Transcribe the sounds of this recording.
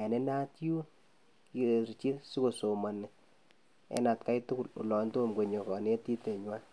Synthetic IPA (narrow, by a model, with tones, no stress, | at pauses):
ɛ˨ne˦na˦tju˦ | ki˨ɾt͡ʃi˦si˦ko˨so˨ma˨nɪ˨ | ɛ̰˦na˨tka˦jtu˦ku˨lṵ˨lɔ˨nto˦mɡwe˨ɲɔ˨kɔ˨ne˦ti˦te˨ɲwa˦